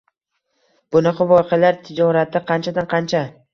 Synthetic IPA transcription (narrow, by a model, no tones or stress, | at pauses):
b̥ʊnɑqʰɑvɒjqʰalaɾt̪ʰɪd͡ʒɒɾat̪ːɪqʰɑnt͡ʃʰad̪anqʰɑnt͡ʃʰa